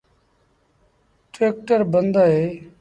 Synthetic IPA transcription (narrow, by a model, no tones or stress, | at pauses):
ʈɾeːk̚ʈəɾbənd̪aːɦeː